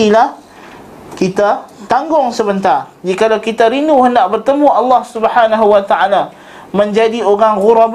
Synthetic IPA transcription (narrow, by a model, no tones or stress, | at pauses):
ilah | kit̪at̪aŋɡʊŋsəbənt̪ar | d͡ʒikalawkit̪aɾinuhəndaʔbərt̪əmuɑlːɑhsubəhanaɦuwat̪aʔala | mə̃ɲd͡ʒadioɾaŋɣuɾab